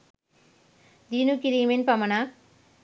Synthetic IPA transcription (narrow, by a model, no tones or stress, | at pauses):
d̪iːnukiɾimenpɐmɐna